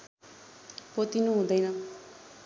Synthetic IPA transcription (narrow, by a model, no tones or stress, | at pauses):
pot̪inuɦũd̪ʌjnʌ